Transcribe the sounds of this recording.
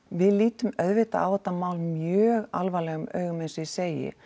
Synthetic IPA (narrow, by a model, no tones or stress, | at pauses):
vɪðliːt̪ʏmœðvɪt̪aʔa̰ːwɛt̪ːamaːwlmjœːɣalvaːlɛɣʏmœ̰ːɥɣʏmɛnsɪseːjɪ̰